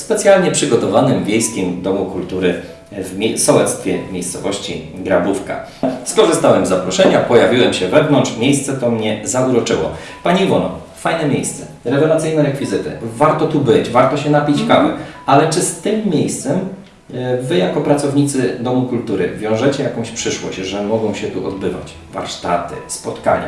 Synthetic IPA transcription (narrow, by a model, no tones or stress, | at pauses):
spɛt̪sʲjalɲɛpʂɘɡɔt̪ɔvanɘmvʲjejskʲɛmd̪ɔmukult̪uɾɘ | vmʲsɔwɛt̪st̪fʲjɛ̰mʲjejst̪sɔvɔɕt͡ɕḭɡɾabufka̰ | skɔʐɘst̪awɛmzːapɾɔʂɛɲapɔjavʲiwɛmɕɛvɛvnɔnt͡ʂʂmʲjejst̪sɛt̪ɔmɲɛzauɾɔt͡ʂɘwɔ̰ | paɲiivɔnɔ̰ | fajnɛmʲjejst̪sɛ̥ | ɾɛvɛlat̪sɘjnɛɾɛkfʲizɘt̪ɘ̰vaɾt̪ɔt̪ubɘt͡ɕvaɾt̪ɔɕɛnapʲit͡ɕkawɘalɛt͡ʂɘst̪ɘmːʲjejst̪sɛm | vɘjakɔpɾatsɔvɲit̪sɘd̪ɔmukult̪uɾɘ̰vʲjɔ̃w̃ʐɛt͡ɕɛjakɔ̃w̃ɕpʂɘʂwɔ̰ɕt͡ɕʐɛmɔɡɔ̃w̃ɕɛt̪uʔɔd̪̚bɘva̰t͡ɕ | va̰ɾʂt̪a̰t̪ɘ̰spɔt̪ka̰ɲa̰